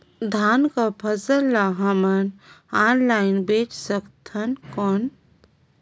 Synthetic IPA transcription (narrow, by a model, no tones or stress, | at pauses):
d̪ʱaːnkapʰəsəlːaɦəmənaːnlaːɪnbeːt͡ʃsəkt̪ʰənkɔːn